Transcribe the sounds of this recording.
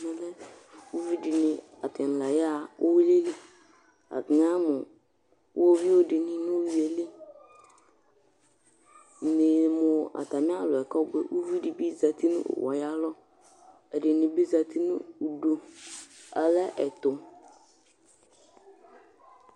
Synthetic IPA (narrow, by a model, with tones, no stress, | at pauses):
nã˨lɛ˦u˦vi˦dɪ˨nɪ̃˨ | a˨tɪ˨n̩˨la˨ja˦˨o˦wi˦le˦li˦ | a̰˨dɪ˨ŋã˦mʊ˨˦ | wʔo˦vi˦wo˦dɪ˨nɪ̃˦nʊ̃˦wi˨˦e˨li˦˨ | nɪ˨mʊ̃˨a̰˨ta˨mɪ̃˦a˦˨lʊ˨ɛ˨kɔ˦bɛ̰˨ʔu˦vi˦di˨bi˦za˨tʰi˦nʊ̰̃˦ʔʊ̰˨wɔ̰˨ja˦lɔ˦ | ɛ˨dɪ˨nɪ̃˨bi˦za˨tʰi˦nʊ̰̃˦u˨do˨ | a˨lɛ˦ʔɛ˨tʊ˨